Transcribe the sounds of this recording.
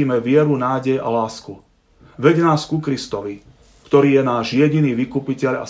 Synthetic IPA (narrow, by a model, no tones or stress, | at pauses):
iːmɛʋɪɛɾunaːɟɛja̰laːsku | ʋɛɟnaːskukɾist̪ɔʋi | kt̪ɔɾiːjɛnaːʒjɛɟiniːʋikupicɛʎa̰